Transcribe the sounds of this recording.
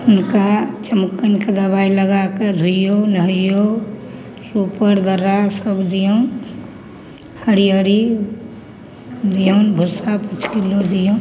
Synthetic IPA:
ʊnkat͡ʃəmukːənked̪əbailəɡaked̪ʱujonəɦəjo | ɾupəɾd̪əɾasəbd̪ijən | həɾijəɾi | d̪ijənbʱusapət͡ʃkilod̪ijo

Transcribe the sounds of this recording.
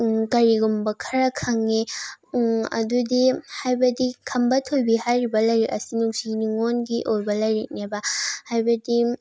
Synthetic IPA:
kɐɾiɡumbɐkʰɐɾɐkʰaŋːe | ɐ̰dudihajbɐdikʰɐmbɐtʰojbihajɾibɐlɐjɾeʔɐsinuksiniŋonɡiʔoɾbɐlɐjɾek̚nebɐhajbɐdi

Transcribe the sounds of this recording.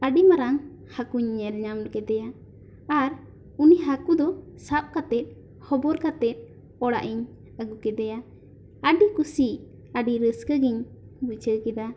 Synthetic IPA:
əɖimaɾaŋ | hakuɲːɛlɲamɾkɛd̪ɛja | aɾ | uniɦakud̪ɔsap̚kat̪ɛt̪̚ | hɔbɔɾkat̪ɛt̪̚ˀ | ɔɽa̰ʔiɲ | əɡukɛd̪ɛja | əɖikusiʔ | aɖiɾəskəɡiɲ | but͡ʃəkɛd̪a

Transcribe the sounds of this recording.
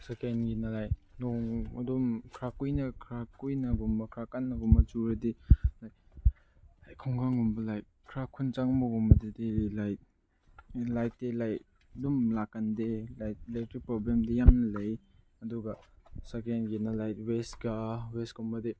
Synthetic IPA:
sekenɡinɐlajt̚noŋɐ̰dumkʰɾakujnɐkʰɾakujnɐɡumbɐkʰɾakanːɐɡɔmɐt͡ʃuɾɐdilaj | lajkʰɔŋɡaŋɡumbɐlajt̚kʰɾakʰunt͡ʃaŋmɔɡɔmɐdedilajt̚ | lajtːelajt | dumlakːandelajt̚lajtɾipɾɔblemdijamnɐlɐj | ɐduɡɐsekenɡinalajt̚wesɡaweskɔmbɐde

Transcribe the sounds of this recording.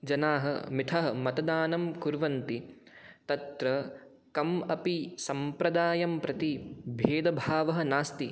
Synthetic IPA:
d͡ʒɐnaːɦɐ̰mit̪ʰɐɦɐmɐt̪ɐd̪aːnɐmkuɾʋɐnt̪i | t̪ɐt̪ɾɐ | kɐmɐpisɐmpɾɐd̪aːjɐmpɾɐt̪ibʱeːd̪ɐbʱaːʋɐɦɐ̆naːst̪i

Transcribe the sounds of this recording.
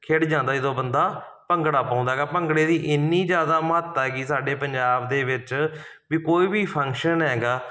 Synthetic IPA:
kʰeːɽd͡ʒãːnd̪aːd͡ʒɪd̪õːbənd̪aː | pəŋɡɽaːpãːnd̪aɦɛɡaːpəŋɡɽeːd̪iːʔɪnːiːd͡ʒjaːd̪aːmɦət̪ːɦɛːɡiːsaːɖeːpəɲd͡ʒaːbd̪eːʋɪt͡ʃ | ʋiːkoːiːbiːpʰə̃ŋkʃənɦɛːɡaː

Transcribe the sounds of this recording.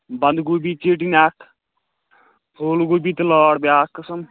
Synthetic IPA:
bɐnd̪ɡuːbit͡ʃeːʈ̬inaːk | pʰoːlɡobiːt̪lɔːɽbʲjaːkːəsɐm

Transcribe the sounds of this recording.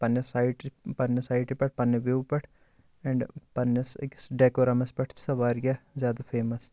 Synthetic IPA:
pɐnːɐsaiʈpɐnːɐsaːiʈipɐʈ̚pɐnːɐʋewpɐʈʰ | ɛ̃ɳɖpɐnɐsksɖeːkoɾɐmɐspɐʈʰt͡ʃsɐʋaːɾɡʲazjaːd̪ɐfʰeːmɐs

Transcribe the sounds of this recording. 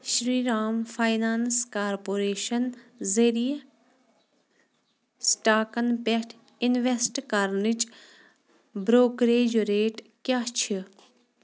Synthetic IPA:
ʃɾiːɾaːmfʰaːjnaːnskaːɾpoːɾeːʃɐnzɐɾij | sʈaːkɐnpeʈʰ | ɪnʋesʈkɐɾnit͡ʃ | bɾoːkɾeːd͡ʒoɾeːʈkʲjaːt͡ʃʰi

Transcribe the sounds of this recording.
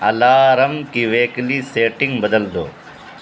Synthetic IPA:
ɐlaːɾɐmkiːʋeːkliːseːʈɪ̃ŋɡbəd̪əld̪oː

